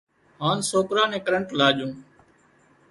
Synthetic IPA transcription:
ɦaːnsoːkɾãːnẽːkəɾəɳʈlaːʄõː

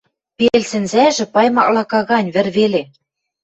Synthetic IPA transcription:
pelsɘ̆nzæʒɘ̆pɑjmɑklɑkɑɣɑnʲβɘ̆rβele

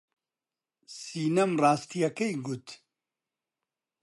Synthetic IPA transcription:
siːnɐmraːst̪ʰijɐkejɡut̪

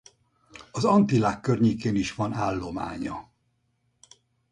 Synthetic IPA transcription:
ɒzɒnt̪ilaːkːørɲeːkeːniʃʋɒnaːlːo̞ma̰ːɲɒ̰

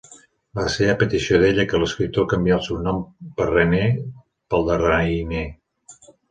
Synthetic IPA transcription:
ləseβəpət̪isioðeʎəkələskɾip̚t̪okəmbiaəlˠsewnɔmpərene | pəlˠd̪əraine

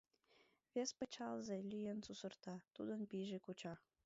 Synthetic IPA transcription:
βespə̆t͡ɕɑlzelʲyjensusərt̪ɑt̪ud̪ənpiʒekut͡ɕɑ

